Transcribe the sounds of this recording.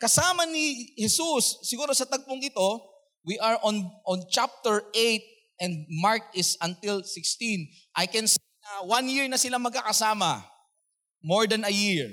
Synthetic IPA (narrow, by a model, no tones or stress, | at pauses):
kɐsaːmɐnihɛsusːɪɡuːɾosɐt̪ɐɡ̚poŋʔɪt̪o̞ | wiʔɐɹʔonʔɔ̃nt͡ʃap̚t̪ɛɹʔejt̪̚ | ʔɛ̃nd̪maɹk̚ɪsɐnt̪ɪlsɪkst̪ĩn | ʔɐjkɛ̃nsejnɐwanjɪɹnɐsɪlamɐɡ̚kakɐsaːmɐ | moɹd̪ɐnɐjiɹ